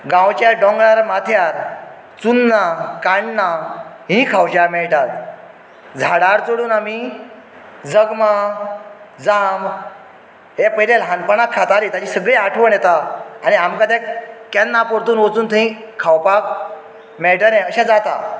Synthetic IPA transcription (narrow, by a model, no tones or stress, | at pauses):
ɡãwt͡ɕjaɾɖɔ̃ŋɡɭaɾmat̪ʰjaɾ | t͡sunːakaɳɖna | ɦĩkʰawt͡ɕaɾmɛɭʈat̪ | d͡zʱaɽaɾt͡soɽuːnami | d͡zəɡma | d͡zamb | ɦepəjlelɦãnpəɳakkʰːat̪aɾit̪at͡ɕiːsəɡɭeaʈʰʋəɳjɛt̪aañiamkat̪ɛkɛnːapoɾt̪uːnʋot͡suːnt̪ʰəɦĩ | kʰawpak̚ | mɛɭʈəɾɛ̃əɕãd͡zat̪a